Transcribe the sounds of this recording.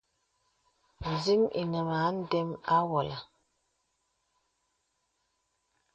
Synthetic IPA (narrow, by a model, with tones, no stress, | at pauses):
n̩˨zi˦mḭ˨nə˨ma˨˦n̩˦dɛ˦ma˦wɔ˨la˨